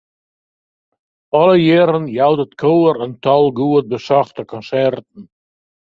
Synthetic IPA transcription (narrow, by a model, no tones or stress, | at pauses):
ɔləjɪːɾənjawdətkʰowəɾəntɔlˠɡuət̚bəsɔχtəkɔnsɛrtn̩